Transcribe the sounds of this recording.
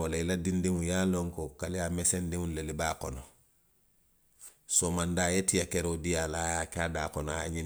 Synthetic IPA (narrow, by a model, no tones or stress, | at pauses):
olailadindimujaloŋkokalijamesendimulelibaːkɔno | somandajetijakeɾoudijalajakaːdaːkonoajaɲi